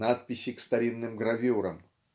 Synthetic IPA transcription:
nat̪̚pʲɪɕːɪkst̪ɐɾʲinːɨmɡɾɐvʲuɾə̰m

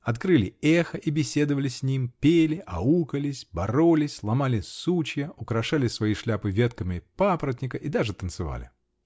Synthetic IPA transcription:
ɐt̪kɾɨlʲɪɛxəʔibʲɪsʲe̞d̪əvəlʲɪsʲnʲimpʲelʲɪʔɐukəlʲɪsʲbɐɾolʲɪsʲlˠɐmalʲɪsut͡ɕjəʔʊkɾɐʂalʲɪsvɐiʂlʲapɨvʲet̪kəmʲɪpapɾət̪ʲnʲɪkəʔid̪aʐɨt̪ənt̪sɨva̰lʲɪ̰

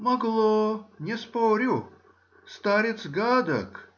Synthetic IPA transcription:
mɐɡlˠonʲɛspoɾʲʊ | st̪aɾʲɪt̪sɡad̪ə̰k

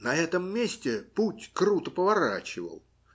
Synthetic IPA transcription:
nɐɛt̪ɨmːʲesʲtʲɛputʲkrut̪əpəvaɾa̰t͡ɕɪvə̰w

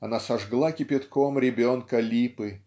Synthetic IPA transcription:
ɐnasɐʐɡlˠakʲɪpʲɪt̪komɾʲɪbʲonkəlʲipɨ

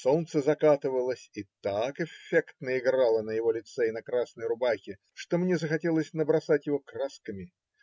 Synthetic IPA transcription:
solt̪səzɐkat̪ɨvəlˠəsʲit̪akɛfʲːekt̪nəɪɡralˠənəjɪvo̞lʲɪt̪sɛɪnɐkɾasnəjɾʊbaxʲɪ | ʂt̪omnʲezəxɐtʲelˠəsʲnəbɾɐsatʲjɪvo̞kraskəmʲɪ

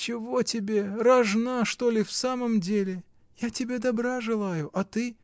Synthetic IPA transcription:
t͡ɕɪvo̞tʲɪbʲe̞rɐʐnaʂt̪o̞lʲɪfsaməmdʲelʲɪ | jatʲɪbʲe̞d̪ɐbɾaʐɨlˠajʊʔɐt̪ɨ

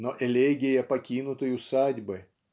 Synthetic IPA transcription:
noʔɛlʲeɡʲɪjɐpɐkʲinʊt̪əjʊsadʲbɨ

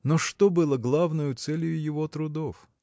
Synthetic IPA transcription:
noʂt̪obɨlˠəɡlˠavnəjʊt̪sɛlʲjʊjɪvot̪ɾʊd̪of

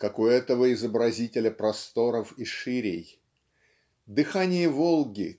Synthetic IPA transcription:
kakʊɛt̪əvəɪzəbɾɐzʲitʲɪlʲəpɾɐst̪o̞ɾəfiʂɨɾʲɪj | d̪ɨxanʲɪjəvolˠɡʲɪ

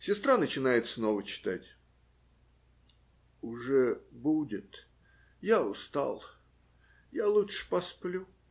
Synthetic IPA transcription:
sʲɪst̪ɾanət͡ɕɪnajɪt̪sno̞vət͡ɕɪ̥t̪atʲ | ʊʐɛbudʲɪt̪ | jaʊst̪a̰lˠ | jalˠuʂɨ̥pɐsplʲu

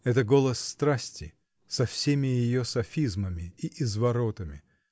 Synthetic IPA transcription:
ɛt̪əɡo̞lˠəsːt̪ɾasʲtʲɪ | sɐfsʲemʲɪjɪjosɐfʲizməmʲɪiʔɪzvɐɾo̞t̪əmʲɪ

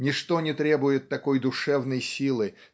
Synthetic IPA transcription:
nʲɪʂt̪o̞nʲɪt̪ɾʲe̞bʊjɪt̪ːɐko̞jd̪ʊʂɛvnəjsʲilˠɨ

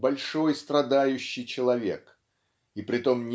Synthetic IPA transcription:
bɐlʲʂo̞jst̪ɾɐd̪ajʉɕːɪjt͡ɕɪlˠɐvʲe̞̰k | ipɾʲɪt̪o̞mnʲ

